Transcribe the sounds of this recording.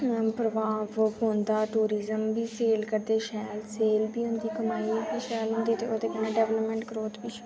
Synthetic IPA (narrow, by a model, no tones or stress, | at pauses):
pɾəʋaːʋɦõːnd̪aːʈuːɾiːzəmbiːseːlkəɾd̪eːʃɛːlseːlbiːɦʊ̃nd̪iːkəmaːiːbiːʃɛːlɦʊ̃nd̪iːt̪eːoːt̪eːkənẽːɖɛːʋləpmɛ̃ːɳʈɡɾoːt̪biː